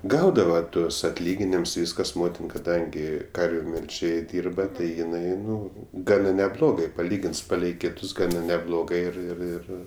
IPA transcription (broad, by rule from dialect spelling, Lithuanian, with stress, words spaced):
ˈɡɐʊdɐʋɐ ˈtuɔs ɐtʲˈlʲiːɡʲɪnʲɪms ˈʋʲiːskɐs ˈmoːtʲɪn kɐˈdɐŋʲɡʲɪ ˈkɐrʲʋʲʊ mʲɛlʲˈʒʲeːj ˈdʲiːrbɐ ˈtɐɪ jɪˈnɐɪ ˈnʊ ˈɡɑːnɐ nʲɛˈblˠoːɡɐɪ pɐˈlʲiːɡʲɪns ˈpɑːlʲɛɪ ˈkʲɪtʊs ˈɡɑːnɐ nʲɛˈblˠoːɡɐɪ ˈɪr ɪr ˈɪr